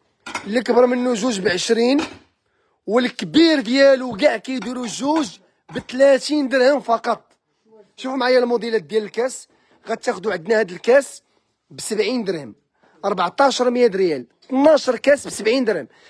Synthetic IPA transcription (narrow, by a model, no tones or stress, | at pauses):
ələkbəɾˤmənːuzuʒbʕəʃɾin | wəlkbiɾd̪jælwɡæʕkæjd̪uɾuzuʒ | bət̪læt̪ind̪əɾhəmfɑqɑt̪ˤ | ʃufmʕajːælmud̪ilæt̪̚d̪jæləlkæs | ɣæt̪æxd̪uʕəd̪næhæd̪əlkæs | bsəbʕind̪əɾhəm | ʔɑɾˤbɑʕt̪ˤɑʃəɾˤmjæd̪ɾjæl | t̪nːɑʃəɾˤkæsbsəbʕind̪əɾhəm